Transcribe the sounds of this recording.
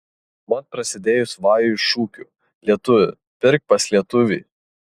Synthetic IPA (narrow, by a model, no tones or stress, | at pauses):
mɐt̪̚pɾɐsʲɪd̪ʲeːjʊsʋɑːjʊʃuːkʲṵːˑ | lʲiɛt̪ʊʋʲʊ̰ | pʲɪɾʲk̚pɐslʲiɛt̪ʊʋʲḭː